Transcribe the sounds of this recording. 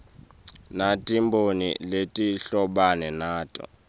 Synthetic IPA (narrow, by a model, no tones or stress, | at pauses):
natʼimbʱonḭletʼiɬɔɓanɛnaːtʼɔ̰